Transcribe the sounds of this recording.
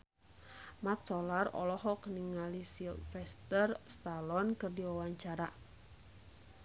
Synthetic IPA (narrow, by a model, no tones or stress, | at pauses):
mat̪̚sɔlarɔ̰lɔɦɔkəniŋalisilfɛst̪ərst̪alɔnkɨrdiwawaɲt͡ʃaɾa